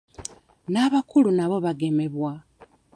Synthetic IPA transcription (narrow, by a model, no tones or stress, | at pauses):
naβakulunaβo̞βaɡe̞me̞βwa